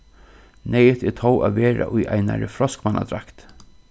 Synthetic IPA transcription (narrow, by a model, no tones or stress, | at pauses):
nɛjət̪ɛt̪ʰoːwʔaːðʋɛːɾa̰ʔʊjajnaɾɪfɾɔskmanʔa̰d̪ɾakt̪